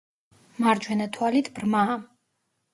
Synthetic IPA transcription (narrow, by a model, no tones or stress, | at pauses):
maɾd͡ʒwɛnat̪ʰwalit̪ʰbɾmaː